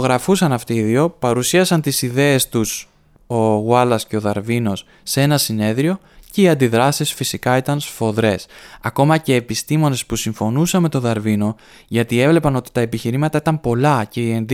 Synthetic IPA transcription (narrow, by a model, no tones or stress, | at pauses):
oɣɾɐfusɐnɐft̪iiðio̞pɐɾusiɐsɐnt̪isiðe̞est̪us | o̞ɣwɐlɐsce̞o̞ðɐɾvino̞sːee̞nɐsine̞ðɾio̞ | ce̞iɐnd̪iðɾɐsisfisikɐit̪ɐnsfo̞ðɾe̞sɐko̞mɐce̞ːpist̪imo̞ne̞spusiɱfo̞nusɐme̞t̪o̞ðɐɾvino̞ | ʝɐt̪ie̞vle̞pɐno̞t̪i̥t̪ɐe̞piçiɾimɐt̪ɐit̪ɐmpo̞lɐce̞iend̪